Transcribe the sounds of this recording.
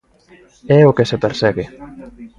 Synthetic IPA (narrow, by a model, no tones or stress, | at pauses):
ɛokesepeɾsɛɣe